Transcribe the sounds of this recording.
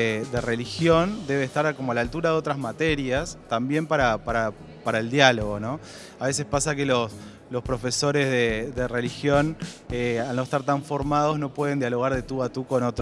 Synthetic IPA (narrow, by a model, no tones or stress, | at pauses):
ðere̞lixjond̪e̞βeːst̪aɾkomoalalt̪uɾaðeo̞t̪ɾazmat̪eɾjast̪ambje̞mpaɾapaɾa | paɾaeld̪jalo̞ɣo̞no̞ | aβe̞se̞spasakelo̞s | lo̞spɾo̞fe̞so̞ɾe̞zðeðere̞lixjo̞nealno̞est̪aɾt̪aɱfo̞ɾmað̞o̞zno̞pwe̞ð̞e̞nd̪jalo̞ɣaɾðet̪uat̪uko̞not̪ɾ